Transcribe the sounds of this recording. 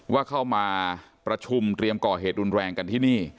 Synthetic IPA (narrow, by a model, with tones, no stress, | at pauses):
waː˥˩kʰa˥˩wmaː˧ | pɾa˧t͡ɕʰu˧mt̪ɾi˧əmkɔː˨˩heː˨˩t̪̚ɾu˧nɾɛː˧ŋka˧nt̪ʰiː˥˩niː˥˩